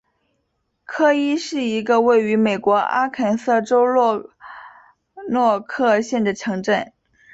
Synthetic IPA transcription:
kʰɤ˥i˥ʂɻ̩˥˩i˧˥ɡə˧we˥˩ɪy˧˥me˨˩ɪkwɔ˧˥a̰˥kʰa˨˩nsɤ˥˩ʈ͡ʂo˥ʊlwɔ˥˧ | nwɔ˥˧kʰɤ˥˧ɕjɛ˥˩nd̪ə˩ʈ͡ʂʰɤ˧˥ŋʈ͡ʂə˥˩n

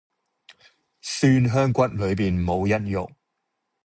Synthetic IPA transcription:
syː˥nɦœː˥ŋkʷɐ˥t̚lɵ˨˧ɥp̬iː˨nmo˨˧wjɐ˥t̚jʊ̰˨k̚

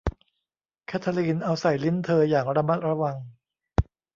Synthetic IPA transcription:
kʰɛː˦˥t̪ʰa˧liː˧nʔa˧wsa˨˩jli˦˥nt̪ʰɤː˧jaː˨˩ŋɾa˧ma˦˥t̪̚ɾa˧wa˧ŋ

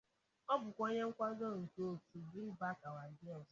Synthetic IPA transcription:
ɔ˦bʊ˨kʷo˦ɲe˦ŋ̩˦kʷa˦ɡo˦˨ŋ̩˨to˦˨˦tu˨bi˦ba˦ka˨wa˨di˦ɔ˦˨

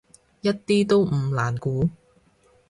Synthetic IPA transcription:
jɐ˥t̚t̪iː˥t̪o˥wm̩˨˧laː˨˩nkuː˨˥

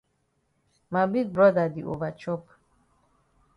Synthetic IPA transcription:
ma˨bi˦d̚bɹɔda˨d̪i˨ʔo̰˨va˨t͡ʃʰɔ˦p

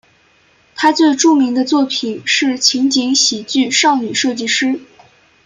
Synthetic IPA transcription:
t̪ʰa˥t͡swe˥˧ɪʈ͡ʂu˥˩mi˧˥ŋd̪ə˧t͡swɔ˥˩pʰi˨˩nʂɻ̩˥˩t͡ɕʰi˧˥ŋt͡ɕi˧˥ŋɕi˨˩t͡ɕy˥˧ʂɑ˥˩ŋny˨˩ʂɤ˥˧t͡ɕi˥˩ʂɻ̩˥

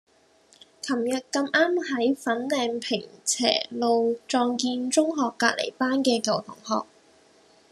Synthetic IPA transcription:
kʰɐ˨˩mjɐ˨t̚kɐ˧mʔaː˥mhɐ˨˥jfɐ˨˥nlɛː˧ŋpʰɪ˨˩ŋt͡sʰɛ̰ː˨˩lo˨˧wt͡sɔː˧ŋkiː˧nt͡sʊ˥ŋɦɔː˨kːa̰ː˧t̚lʔḛ˨˩jpaː˥nkɛː˧kɐ˨˩wt̪ʰʊ̰˨˩ŋhɔ̰ː˨k̚

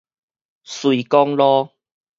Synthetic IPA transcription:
swui˨kɔ˦ŋlɔ˦

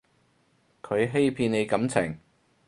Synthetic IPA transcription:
kʰɵ˨˧ɥɦe˥jpʰiː˧ne˨˧jkɐ˨˥mt͡sʰɪ̰˨˩ŋ

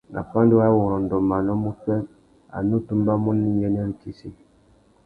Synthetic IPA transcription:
nʔa̰˨fa˦n˦di˦wa˦wo˨ɾɔ˨n˨dɔ˨ma˨nɔ˦mu˦tɛ˦ | a̰˨nu˦tu˦mba˦mu˦nːi˦jɛ˦n˦ɛ˦n̩˨˦ki˦si˦

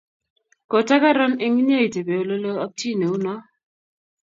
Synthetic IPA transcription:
ko˨ta˦ka˦ɾɔ˦nɪ˦ŋi˦ɲe˦˨i˨te˨be˨o˨lo˦lo˦ɔ˦k̚ti˦˨ne˨u˦nɔ˦

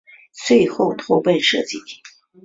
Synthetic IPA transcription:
t͡swe˥˧ɪxo˥˩ʊt̪ʰo˧˥ʊpe˥˧nʂɤ˥˧t͡ɕi˥˩

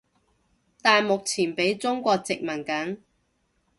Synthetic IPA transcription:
t̪aː˨˧jmʊ˨k̚t͡sʰiː˨˩npe˨˥jt͡sʊ˥ŋkʷɔː˧k̚t͡sɪ˨k̚mɐ˨˩nkɐ˨˥n

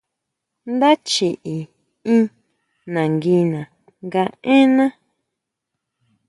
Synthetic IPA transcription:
nd̪a˦t͡ʃi˨ʔi˨ | ĩ˦ | nã˨ŋɡi˧nã˨ | ŋɡa˧ẽ˦nã˦

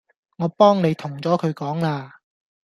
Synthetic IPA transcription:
ŋɔː˨˧pɔː˥ŋne˨˧jt̪ʰʊ˨˩ŋt͡sɔː˨˥kʰɵ˨˧kɔː˨˥ŋlaː˧

